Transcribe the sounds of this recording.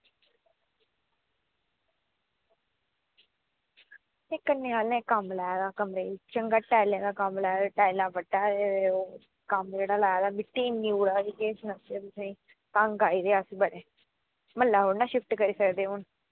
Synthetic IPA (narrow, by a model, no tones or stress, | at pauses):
ekːənːeːaːlnẽːkəmlaːjaːd̪aːkəmɾeːt͡ʃəŋɡaːʈaːɪlẽːd̪aːkəmlaːjad̪aːʈaːɪlãːbəʈːaːeeoː | kəmd͡ʒeːɽaːlaːjaːd̪aːmɪʈːiːnːiuːɽaːsiːkeːsnəset̪ʊsẽĩː | t̪ãŋɡaːiːd̪eːəsbəɽeː | məlːaːɦoːɽnaːʃɪfʈkəɾiːsəkd̪eːɦʊn